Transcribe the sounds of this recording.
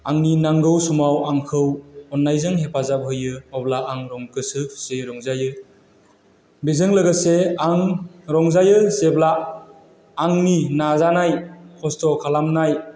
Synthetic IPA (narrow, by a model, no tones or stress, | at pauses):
aŋninaŋɡɯwsumawaŋkʰɯwɔnːajzaŋɦepʰazap̚ɦɯjɯɔblaaŋɾɔŋkɯsɯseɾɔŋzajɯ | bizɯŋlɯɡɯseaŋɾɔŋzajɯseblaː | ŋninazanajkʰɔstɔkʰalamnaj